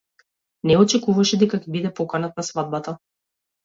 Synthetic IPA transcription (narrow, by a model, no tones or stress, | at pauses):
nɛɔt͡ʃɛkuvaʃɛd̪ɛkakɛbid̪ɛpɔkanat̪̚nasvad̪̚bat̪a